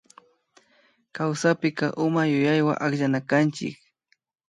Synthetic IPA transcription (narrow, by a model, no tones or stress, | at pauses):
kawsapɪkɑʔʊmajʊjajwa̰ʔakʎanakant͡ʃɪ̰k̚